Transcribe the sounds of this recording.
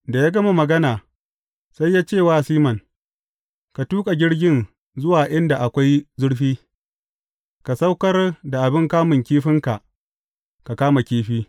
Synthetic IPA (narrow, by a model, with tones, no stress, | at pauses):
da˨jaː˦ɡɐ˦ma˨mɐ˨ɡɐ˦naː˨ | sa˦jːaː˦t͡ʃeː˦˨waː˦siː˦mɐ˨ŋ | ka˨tuː˦kʼa˨ɡʲɪ˦ɽɡʲɪ˦n | zʊ˦waː˨ʔɪ˦nda˨ʔa˨kʷa˦jzʊ˦ɽɸiː˦ | ka˨sa˦wkɐ˦rda˨ʔa˨bɪ˦ŋkaː˦mɪ˨ŋkʲiː˦ɸɪ˦ŋka˨ʔ | ka˨kaː˦ma˨kʲiː˦ɸiː˦